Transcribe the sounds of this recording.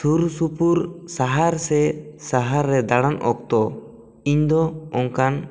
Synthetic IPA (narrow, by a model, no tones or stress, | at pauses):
suɾsupuɾsaɦaɾsɛsaɦaɾːɛd̪aɽanʔɔk̚t̪ɔ | iɲd̪ɔɔŋkan